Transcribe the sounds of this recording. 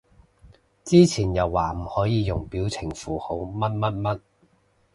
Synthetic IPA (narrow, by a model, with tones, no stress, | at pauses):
t͡siː˥t͡sʰiː˨˩njɐ˨wːaː˨˩m̩˨˩hɔː˨˥jiː˨˧jʊ˨˩ŋpiː˨˥wt͡sʰɪ˨˩ŋfuː˨˩ho˨˥wmɐ˥t̚mɐ˥t̚mɐ˥t̚